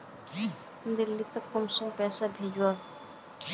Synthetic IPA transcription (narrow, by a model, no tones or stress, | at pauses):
nd̪ɪlːit̪ɐkːəmsõŋpɛːsabʱeːd͡ʒwaː